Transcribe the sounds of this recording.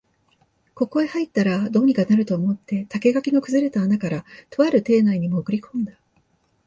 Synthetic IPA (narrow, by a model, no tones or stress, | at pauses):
ko̞ko̞ehait̪ːaɾad̪o̞ːɲ̟ikanaɾɯ̟t̪o̞ːmo̞t̪ːe̞t̪ake̞ɡakʲiɡakɯ̟zɨɾe̞t̪aːnakaɾat̪o̞βaɾɯ̟t̪e̞ːnaiɲ̟imoːkɯ̟ɾʲikʰõ̞nd̪a